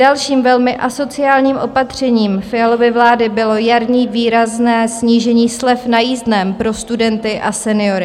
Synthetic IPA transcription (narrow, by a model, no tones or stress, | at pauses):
alʃiːmvɛlmɪʔaso̞t͡sɪaːlɲiːmʔo̞pat̪r̝̥ɛɲiːmfɪalo̞vɪvlaːdɪbɪlo̞jaɾɲiːviːɾaznɛːsɲiːʒɛɲiːslɛfnajiːzdnɛmpɾo̞st̪udɛnt̪ɪʔasɛnɪo̞ɾɪ